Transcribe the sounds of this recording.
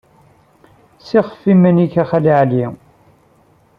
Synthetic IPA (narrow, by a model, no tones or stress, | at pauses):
siχə̥fːimænikæχæliʕli